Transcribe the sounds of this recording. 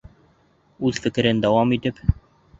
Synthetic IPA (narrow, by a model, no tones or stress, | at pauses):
ʉzfɘ̆kɘ̆ɾɘnd̪æwɑmit̪ɘp